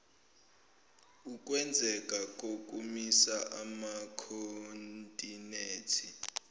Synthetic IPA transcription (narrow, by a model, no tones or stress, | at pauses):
uk̬ʼwɛnd͡zʱɛkʼakʼokʼumisaʔamakʰontʼineːtʰi